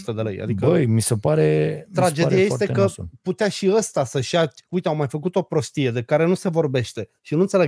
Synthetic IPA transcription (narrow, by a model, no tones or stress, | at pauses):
t̪əd̪elḛja̰d̪ikəəjmisepaɾet̪ɾad͡ʒed̪ijajest̪ekəput̪eaʃiəst̪asəʃaujt̪eawmajfək̬ut̪o̞pɾo̞st̪ije̞d̪e̞kaɾe̞nuse̞vo̞rbe̞ʃt̪e̞ʃinũnt̪sele